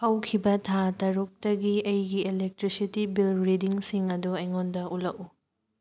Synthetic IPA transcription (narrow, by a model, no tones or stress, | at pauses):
hɐwkʰibɐtʰatɐɾuk̚tɐɡiɐjɡielek̚tɾisitibilɾidiŋsiŋɐduɐjŋondɐʔulɐku